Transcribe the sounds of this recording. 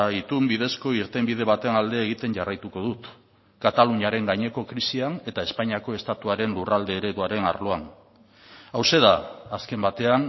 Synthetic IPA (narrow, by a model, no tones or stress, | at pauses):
it̪umbið̞e̞sko̞iɾt̪e̞mbiðe̞β̞at̪enald̪e̞ːɣ̞it̪e̞ɲʝarajt̪uko̞ðut̪ | kat̪aluɲaɾe̞ŋɡaɲe̞ko̞kɾisiane̞t̪ae̞spaɲiako̞e̞st̪at̪uaɾe̞nlurald̪e̞ːɾe̞ðuaɾe̞na̰ɾlo̞an | awse̞ðaːske̞mbat̪e̞an